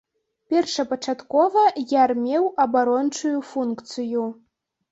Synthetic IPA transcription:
pʲɛrʂɐpɐt͡ʂat̪kɔvɐjarmʲewɐbaɾɔnt͡ʂujufunkt̪sɨju

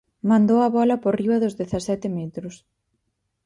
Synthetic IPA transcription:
mãnd̪owɐβɔlɐporiɐðʊzðeθɐsɛt̪ɪmet̪ɾʊs

